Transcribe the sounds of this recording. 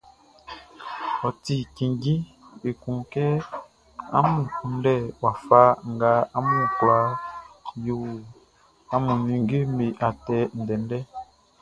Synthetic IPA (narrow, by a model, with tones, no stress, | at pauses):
ɔ˨ti˨ki˨ŋɡi˦ | e˨kũ˨ŋkɛ˦ | a̰˦mũ˨ku˨n˦dɛ˦wa˨fa˦ŋ˨ɡa˦a˦mũ˦˨kla˨˦ | ju˦w | a˨mu˨nĩ˨ŋɡi˦mi˨ʔa˨tɛ˨n̩˨dɛ˨n˦dɛ˦